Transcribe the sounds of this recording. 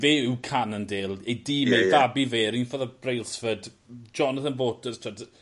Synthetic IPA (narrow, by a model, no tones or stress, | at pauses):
veːukʰanəndeːlˠediːmevabiveːɾinfoːðəb̥rejlˠsfəd | d͡ʒɔnəθənvoːtəstʰad